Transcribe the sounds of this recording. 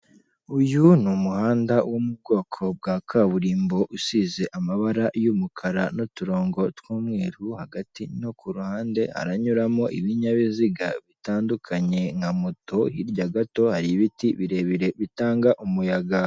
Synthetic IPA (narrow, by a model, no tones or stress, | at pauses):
ujunumuhaːndawomub̚ɡo̞ːkʰo̞b̚ɡakʰaβuɾiːmbo̞ʔusize̞ʔamaβaɾajumukʰaɾano̞tuɾo̞ːŋɡo̞twuːmŋe̞ːɾuhaɡatino̞kuɾuhaːnde̞ha̰ɾaɲuɾamo̞ʔiβiɲaβiziɡaβitaːndukʰaɲe̞ŋamo̞to̞hiɾɟaɡato̞haɾiβitiβiɾe̞βiɾe̞βitaːŋɡaʔumujaɡa